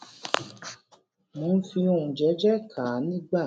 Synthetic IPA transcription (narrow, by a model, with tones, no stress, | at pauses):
mõː˨˦n̩˦fi˧o˧˨ũ˨d͡ʒɛ˨˦d͡ʒɛ˦kʰa˨˦nĩ˦ɡ͡ba˦˨